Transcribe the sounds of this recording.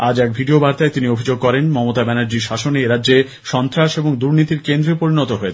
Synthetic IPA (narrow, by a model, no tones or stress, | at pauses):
ad͡ʑɛk̚bʱiɖiobaɾt̪aet̪iniobʱid͡ʑoɡ̚kɔɾenmɔmot̪abɛnaɾd͡ʑiɾʃaʃoneɾadːd͡ʑe | ʃɔnt̪ɾaʃeboŋd̪uɾnit̪iɾkend̪ɾepoɾinɔt̪oɦoet͡ɕʰe